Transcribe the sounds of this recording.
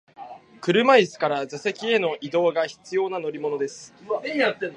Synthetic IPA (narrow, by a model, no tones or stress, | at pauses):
kɯ̟ɾɯ̟maisɨ̥kaɾazase̞kʲie̞no̞ʔid̪o̞ːɡaçi̥t͡sɨjo̞ːnano̞ɾʲimo̞no̞d̪e̞sɨ̥